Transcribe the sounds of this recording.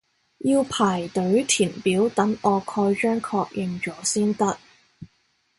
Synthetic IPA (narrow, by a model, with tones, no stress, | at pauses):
jiː˧wpʰaː˨˩jt̪ɵ˨˥ɥt̪ʰiː˨˩npiː˨˥wt̪ɐ˨˥ŋɔː˨˧kʰɔː˧jt͡ʃœː˥ŋkʰɔː˧k̚jʔɪ˨˧ŋt͡ʃɔː˨˥siː˥nt̪ɐ˥t̚